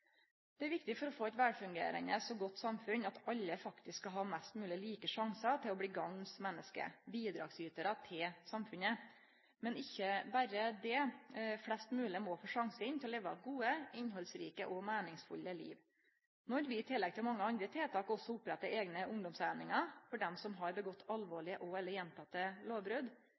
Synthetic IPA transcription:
d̪̥ɛæɾʋɪk̚t̪ɪfɔɾɔfoːæɪt̪ʋæːɖfʉŋɡḛːɾə̰nəsɔɡɔt̪ːsɑmfʉnɑt̪ɑlːəfɑkt̪ɪsskːɑlɦɑːmɛst̪mʉːlɪliːkəʂɑŋsɑt̪ʰɪlɔbɽiːɡɑŋsmɛnːəskə̰biːd̪ɾɑ̰ːɡsyːt̪əɾət̪ʰɪlsɑmfʉnə | mɛnɪçːəbæɾəd̪ɛflɛst̪mʉːlɪəmɔːfoːʂɑŋsəɪnt̪ʰɪlɔleːʋəɑɡuːəɪɲɦɔlsɾiːkə̰ʔɔmæːnɪŋsfʉ̰lːəlḭːʋ | nɔɾʋɪɪt̪ʰɪlːɛɡ̚t̪ʰɪlmɑŋːəɑnd̪ɾət̪ʰɪlt̪ʰɑːkɔsːɔʊpːɾɛt̪ːəʔeːɡnəʊŋd̪ɔmsæːnɪŋɑfɔɖɛmsɔmɦɑɾbəɡɔt̪ːɑlʋoːɭɪəʔɔɛlːəɾjɛnt̪ʰɑt̪ːəloːʋbɾʉd̪

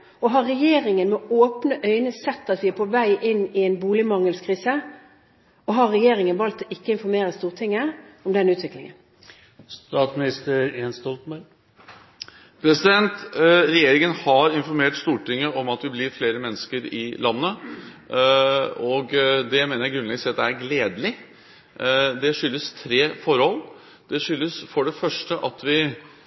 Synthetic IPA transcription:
ɔɦɑɾɾɛjeːɾɪŋənmɛoːpnəʔœʏnəsɛt̪ːəɑt̪ʋɪpʰɔʋæɪʔɪnːɪɛnbuːlɪmɑŋəlskʰɾiːsə | ɔɦɑɾɛjeːɾɪŋənʋɑlt̪ːɔʔɪkːəɪnfɔɾmeːɾəst̪uːʁʈ̪ʰɪŋːəɔmd̪ɛnːʉːt̪ʰʋɪklɪŋə̰n | st̪ɑt̪smɪnɪst̪əɾjenst̪ɔlt̪mɑ | pʰɾɛsɪd̪ɛnt̪ɾɛjeːɾɪŋənhɑɾɪnfɔɾmeːʈst̪uːʈɪŋːəʔɔmɑt̪ʋɪblɪɾfleːɾəmɛnːəskəɾɪlɑnːə | ɔɡd̪ɛmeːnəɾjæɪɡɾʉnɛɡəsɛɑt̪d̪ɛæɾɡleːd̪lɪ | d̪ɛʂʏlːəst̪ʰɾeːfɔɾhɔlː | d̪̥ɛʂʏlːəsfɔɖɛfœʂʈəʔɑt̪ʰʋɪ

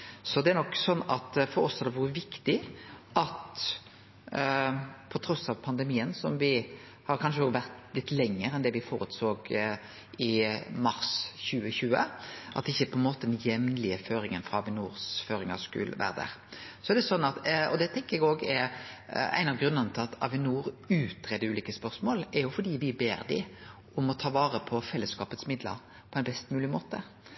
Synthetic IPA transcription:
sɔd̪ɛæɾnɔkːsɔnːɑt̪fɔɾɔsːhɑɾd̪ɛʋʊɾəʋɪkt̪ɪʔɑt̪ | pʰɔt̪ʰɾɔsːɑʋpʰɑnd̪ɛmiːənsɔmʋɪ | hɑɾkʰɑnʂəʊʋæɾt̪lɪt̪ːlɛŋːəɾɛnd̪ɛʋɪfoːɾʉt̪soːɡ | ɪmɑɾsçʉːəçʉːə̰ʔɑt̪ɪçːəpʰɔɛnmoːt̪əd̪ɛnjɛmnlɪəføːɾɪŋənfɾɑɑʋɪnuːɾsføːɾɪŋɑskʉ̰lʋæ̰ːɾəd̪æ̰ɾsɔɛɾd̪ɛsɔnːɑt̪ɔd̪ɛt̪ʰɛŋkəɾɛɡoːɡɛɾ | æ̰ɪnɑʋɡɾʉnəʁnət̪ʰɪlɑt̪ʰɑ̰ʋɪnuːɾʉːt̪ɾɛd̪əʉːliːkəspœʁsmoːlɛɾjʊfɔɾd̪iːʋɪbeːɾd̪ɪ̰ | ʊmɔt̪ʰɑːʋɑːʁəpʰɔfɛlːəskɑːpət̪smɪd̪lə̰ɾ | pʰɔɛɪnbɛst̪mʉːlɪmoːt̪ə

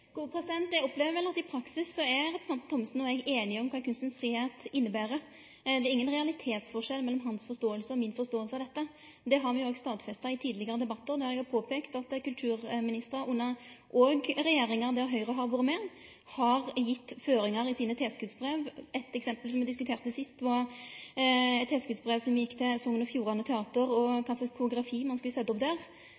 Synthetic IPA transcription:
ɡ̥uːəpʰɾɛsɪd̪ɛnt̪̚d̪ɛɔpleːʋəɾʋɛlɑt̪ɪpʰɾɑksɪsːɔɛɾɛpɾəsɑnt̪ʰːɔmːəsn̩ɔɛɡeːnɪɔmkʰɑːkʰʉnst̪ənsfɾiːheːt̪ɪnːəbæːɾə | d̪ɛæɾɪŋːənʁɛɑlɪt̪ʰeːt̪sfɔʁʂɛlmɛlːɔmɦɑnsfɔɾst̪oːəlsəɔmɪnfɔst̪oːəlsəɑʋd̪ɛt̪ːə | d̪ɛɦɑɾʋɪoːɡst̪ɑːt̪fɛst̪ɑɪt̪ʰiːd̪lɪɡəɾəd̪ɛbɑt̪ːəɾd̪ɛhɾɛɡhɑpʰoːpʰeːkt̪ɑt̪kʉlt̪ʰʉːɾmɪnɪst̪əɾɑʔʊnːɑʔoɡɾɛjeːɾɪŋɑɾd̪ɛɔɦœʏʁəɦɑɾʋʊːɾəmɛ | hɑʁjɪt̪ːføːɾɪŋɑɾɪsiːnət̪ʰeːskʉd̪sbʁeːʋɛt̪ɛksɛmpəlsɔmʋɛd̪ɪskʉt̪ʰeːɾt̪ɛsɪst̪ʋɑ | ɛt̪t̪ʰeːskʉd̪sbʁeːʋsɔmjɪkːt̪ʰɛsɔŋənɔfjuːɾɑnət̪ʰɛɑːt̪əɾɔkʰɑnsəkʰʊʊɡɾɑfiːmɑnskʉləsɛt̪ːɔpd̪æːʁ

